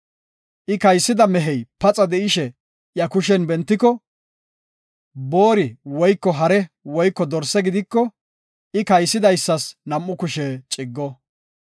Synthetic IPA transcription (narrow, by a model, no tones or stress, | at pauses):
ʔɪkɐjsːɪd̪ɐmɛɦɛjpɐt͡sʼɐd̪ɛɪʃɛ | jɐkʊʃɛnbɛnt̪ːɪkːɔ | bo̞ːɾɪwɔjkːɔɦɐɾɛwɔjkːɔd̪ɔɾsːɛɡɪd̪ɪkːɔ | ʔɪkɐjsːɪd̪ɐjsːɐsnɐmːʊkʊʃɛːt͡ʃʼɪɡːɔ